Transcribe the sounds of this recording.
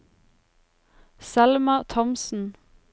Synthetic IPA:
sælmɑt̪ʰɔmsn̩

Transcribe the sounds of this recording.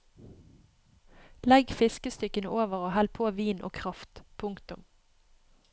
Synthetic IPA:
lɛɡfɪskəst̪ʏkənəʔoːʋəʁoːhɛlpʰoːʋiːnʔo̰ːkʰʁɑft̪pʰʊŋkt̪ʊm

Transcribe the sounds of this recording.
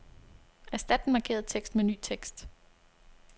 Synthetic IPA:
æsd̥æd̥n̩mɑ̈kʰe̝̰ːɐðˠt͡sʰeɡ̥sd̥meny̰ːt͡sʰeɡ̥sd̥

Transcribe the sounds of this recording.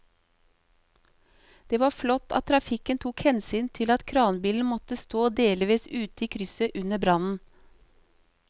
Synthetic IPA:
d̪̥eːʋɑːflɔt̪ʰɑ̰t̪ʰɾɑfɪkənt̪ʰuːkhɛnsyːnt̪ʰɪlɑt̪kʰɾɑːnbiːln̩mɔt̪əst̪oːd̪eːlʋiːsʉːt̪əiːkʰɾʏsəʔʉnəbɾɑnn̩

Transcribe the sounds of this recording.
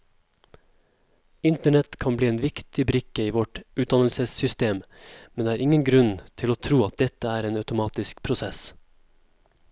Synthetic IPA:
ɪnt̪əɳɛt̪kʰɑnbliːeːnʋɪkt̪ɪbɾɪkəiːʋɔʈʉːt̪̚d̪ɑnəl̩səsʏst̪eːm | mɛnd̪eːæːɾɪŋənɡɾʉnt̪ʰɪloːt̪ʰɾuːɑt̪̚d̪ɛt̪əæːɾeːnɑʉt̪ʊmɑːt̪ɪskpʰɾʊsɛs

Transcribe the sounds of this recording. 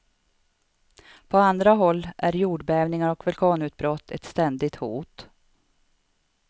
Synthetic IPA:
pʰɔand̪ɾaɦɔlːʔæɾjuːɖbɛːvnɪŋaɾɔkvɵlkʰɑːnʉ̟ːt̪̚bɾɔt̪ʰːɛ̰t̪st̪ɛnd̪ɪɡ̚t̪huːt̪

